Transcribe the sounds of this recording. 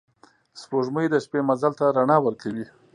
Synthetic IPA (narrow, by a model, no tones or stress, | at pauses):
spoʐməjd̪əʃpemazalt̪aɾaɳɑwəɾkawi